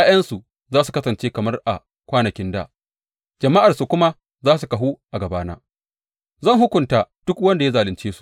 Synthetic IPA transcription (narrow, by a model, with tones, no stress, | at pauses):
jaː˦jɐ˦nsu˨ | zaː˦su˨kɐ˦sɐ˨nt͡ʃeː˦kɐ˨mɐ˦rʔa̰˨ | kʷaː˦nɐ˨kʲɪ˦nda̰ː˦˨ | d͡ʒɐ˨mːa˦ʔa˨rsu˨kʷʊ˦ma˦ | zaː˦s̬u˨kɐ˨ɦuː˦ʔa˨ɡɐ˨baː˦na̰ː˦ | zɐ˦˨ŋɦʊ˦kʷʊ˨nta˦d̥ʊ˦kwɐ˦nda˨ja˦zaː˨lɪ˨nt͡ʃeː˦su̥˨ʔ